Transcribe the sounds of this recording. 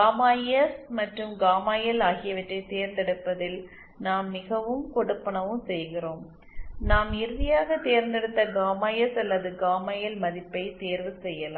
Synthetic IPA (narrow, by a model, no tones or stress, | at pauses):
ɡaːmaːjɐsmɐʈrɯmɡaːmaːjɐlaːɣɪjɐʋɪʈrɐɪt̪eːɾnd̪ɛɽɯpːɐðɪl | naːmːɪɣɐʋɯmkɔɽɯpːɐɳɐʋɯmsɛjɣɪroːm | naːmɪɾɯðɪjaːɣɐt̪eːɾnd̪ɛɽɯt̪ːɐɡaːmaːjɐsɐlːɐðɯɡaːmaːjɐlmɐðɪpːɐɪt̪eːɾʋɯsɛjːɐlaː